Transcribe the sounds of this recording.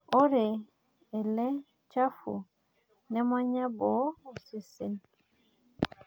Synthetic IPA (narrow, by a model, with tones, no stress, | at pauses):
o˦ɾe˨ | e˨lɛ˦ | t͡ʃa˦fṵ˨ | nɛ˦ma˦ɲa˦bɔ˨˦o˨si˨se˦n